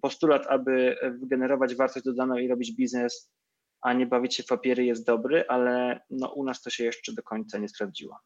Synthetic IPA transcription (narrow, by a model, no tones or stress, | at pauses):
pɔst̪ulat̪abɘvɡɛnɛɾɔvad͡ʑvaɾt̪ɔʑd͡ʑd̪ɔd̪anɔ̃w̃iɾɔbʲid͡ʑbʲiznɛs | ʔaɲɛbavʲit͡ɕɕɛpapʲjɛɾɘjɛst̪̚d̪ɔbɾɘʔalɛnɔ̰ʔunast̪ɔɕɛjɛʂt͡ʂɛd̪ɔkɔɲt̪saɲɛspɾavd͡ʑḭwa̰